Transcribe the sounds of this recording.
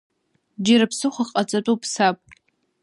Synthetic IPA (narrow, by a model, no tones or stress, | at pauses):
d͡ʒaɾapʰsɨχʷaχʼat͡sʼatʷʼupʰsapʼ